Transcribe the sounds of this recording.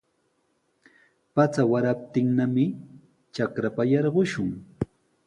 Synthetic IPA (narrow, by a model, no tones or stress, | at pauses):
pat͡sawaɾap̚t̪ɪŋnamɪ | t͡ʃakɾapajɑɾɢʊʃʊŋ